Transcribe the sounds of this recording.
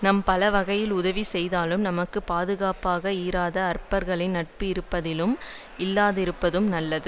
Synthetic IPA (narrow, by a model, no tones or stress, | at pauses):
nɐmpɐlɐʋɐɣɐjɪlʊðɐʋisɛjðaːlɯmnɐmɐkːɯpaːðɯɣaːpaːɣɐiːɾaːðɐɐɾpɐɾɣɐɭɐɪnɐʈ̚pɯɪɾɯpːɐðɪlɯm | ɪlːaːðɪɾɯpːɐðɯmnɐlːɐðɯ